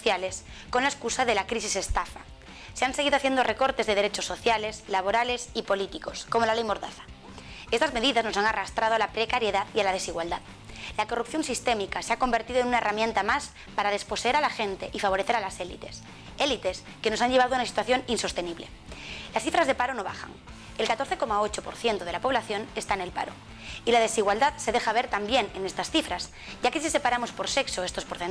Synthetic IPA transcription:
θjale̞s | ko̞nlaeskusaðelakɾisise̞st̪afa | se̞anse̞ɣiðoaθje̞nd̪ore̞ko̞ɾt̪e̞zðe̞ðeɾe̞t͡ʃo̞sːo̞θjale̞zlaβ̞o̞ɾale̞sipo̞lit̪iko̞sko̞mo̞lalejmo̞ɾða̰θḁ | e̞st̪azme̞ðiðazno̞saŋarast̪ɾaðoalapɾe̞kaɾje̞ðaðialað̞e̞siɣwald̪að | lako̞rupθjo̞nsist̪e̞mikaseako̞mbeɾt̪iðoenunaeramjẽnt̪amas | paɾaðe̞spo̞seeɾalaxe̞nt̪e̞ʔifaβo̞ɾe̞θe̞ɾalase̞lḭt̪e̞̥s | e̞lit̪e̞s | ke̞no̞sanʎe̞aðunasi̥t̪waθjo̞ninso̞st̪e̞niβle̞̰ | lasθifɾazðe̞paɾo̞no̞βaxa̰ŋ | e̞lkat̪o̞ɾθe̞ko̞mao̞t͡ʃo̞po̞ɾθje̞nt̪o̞ð̞e̞lapo̞β̞laθjo̞nest̪aene̞lpa̰ɾo̞̰ | ilað̞e̞siɣwald̪aðse̞ðe̞xaβ̞e̞ɾt̪ambje̞ne̞ne̞st̪asθifɾas | ɟ͡ʝake̞sise̞paɾamo̞spo̞ɾse̞kso̞est̪o̞spoɾθen

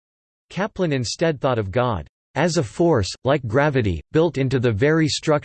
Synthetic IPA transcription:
kʰæplɨ̃nɨ̃nstɛd̪̚θɔɾʌvɡɑ̰d | ʔɨzəfɔɹslaɪk̚ɡ̥ɹævɨɾḭb̥ɪlˠtɪ̃ntʉðɨvɛɹistɹ̥ʌk̚

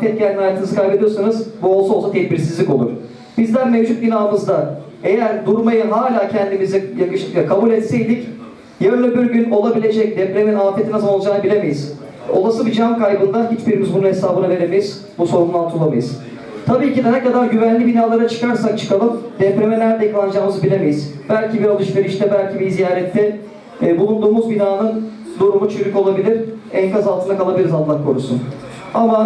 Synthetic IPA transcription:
fɛt̪̚ɟælʲd̪ʲinhajaːt̪ɯnɯzɯkʰajbe̞d̪ijosanɯzbuolˠsaosat̪ʰɛc̚biɾsizlʲico̞lˠṵɾ̥ | b̥izlʲæɾmevd͡ʒut̪̚ɟinaːɯmɯzd̪a | e̞jæɾd̪uɾmajɯɦaːlʲaːcʰɛnd̪imizijakɯʃlˠɯkjakʰabulʲɛt̪sejd̪ic | jaɾɯnˠɯbiɾɟyno̞lˠabilʲe̞d͡ʒɛc̚d̪ɛpɾeminaːfet̪ʰinasɯlo̞lˠd͡ʒanɯbilʲe̞me̞jiz̥ | o̞̰lˠasɯbid͡ʒankʰajbɯnd̪aɦit͡ʃbiɾimizbununɦesaːbɯnave̞ɾe̞mejiz̥ | buso̞ɾumlˠant̪ʰulˠama̰jiz̥ | t̪ʰabiːcid̪ɛnɛkad̪aɾɟyvænlʲibinaːlˠaɾat͡ʃʰɯ̥kaɾsak̚t͡ʃʰɯ̥kalˠɯmd̪ɛpɾe̞melʲæɾd̪ɛklˠand͡ʒaːmɯzbilʲeme̞jiz̥ | bælʲcʰibiɾalˠɯʃveɾiʃt̪ʰɛbælʲcʰibizijaːɾɛt̪ʰːɛ | bulˠund̪uːmuzbinaːnɯn | d̪uɾumut͡ʃʰøɾyco̞lˠabilʲiɾ̥ | ɛnkʰazalˠʰɯnakalˠabilʲiɾizanlˠakʰo̞ɾusṵn | ama

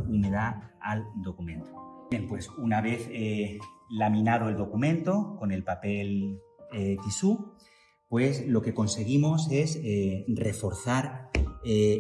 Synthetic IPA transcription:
umeðaald̪o̞kumẽ̞nt̪o̥bje̞mpwe̞sunaβ̞e̞θelamĩnað̞oe̞ld̪o̞kumẽnt̪o̞ko̞ne̞lpape̞l | et̪isu | pwe̞slo̞ke̞ko̞nse̞ɣ̞imo̞se̞sere̞fo̞ɾθaɾe

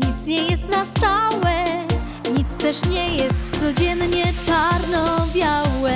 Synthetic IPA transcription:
ɲit̪sɲɛjɛst̪nast̪awɛ | ɲit̪st̪ɛʂɲɛjɛst̪sɔd͡ʑɛnɲɛt͡ʂaɾnɔbʲjawɛ

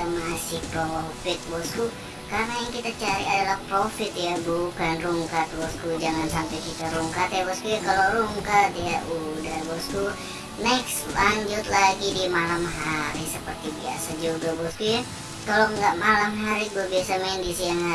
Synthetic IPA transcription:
masɪhpɾofɪt̪̚bɔsku | karnajaŋkit̪at͡ʃaɾḭadalahpɾofɪt̪jabukanruŋkat̪̚bɔskud͡ʒaŋansampɛjkit̪aɾuŋkat̪jabɔskujakaloɾuŋkat̪jaudahbɔsku | nɛkslaɲd͡ʒʊt̪laɡidimalamɦaɾisəpərt̪ibia̰sad͡ʒuuɡabɔskuja | kaloŋɡaʔmalamɦaɾiɡuabiasamɛndisijaŋa

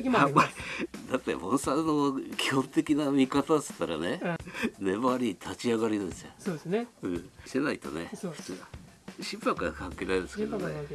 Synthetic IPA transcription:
amːaɾʲid̪at̪ːḛmõɰ̃sannːokʲi̥hõ̞nt̪ekʲinamʲikat̪asɨ̥t̪ːaɾa̰ne̞nemaɾʲit̪ʰat͡ɕiaɡaɾʲinãnsɨjososnɯ̟̃senait̪o̞̰ne̞ç̥tɨɡaɕĩmpakaakãŋke̞ːɾaɾed̪sɨ̥ked̪ne

